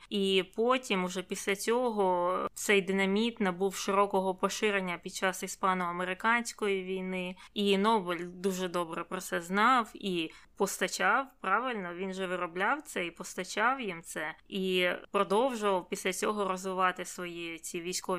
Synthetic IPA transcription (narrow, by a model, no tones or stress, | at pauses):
ipɔtʲimʊʒɛpʲisʲlʲɐt͡sʲɔɦɔt̪sɛjd̪ɪnɐmʲit̪nɐbuwʃɪɾɔkɔɦɔpɔʃɪɾenʲːɐpʲid̪̚t͡ʃɑsispɑnʊɐmeɾɪkɑnʲsʲkɔjiʋʲijnɪinɔbɪlʲd̪uʒɛd̪ɔbɾɛpɾɔt̪sɛznɑwipɔst̪ɐt͡ʃɑwpɾɑʋɪlʲnɔʋʲinʒɛʋɪɾɔblʲɑwt̪sɛipɔst̪ɐt͡ʃɑwjimt̪sɛipɾɔd̪ɔwʒʊʋɐwpʲisʲlʲɐt͡sʲɔɦɔɾɔzʋɪʋɑt̪ɪsʋɔjit͡sʲiʋʲijsʲkɔʋʲ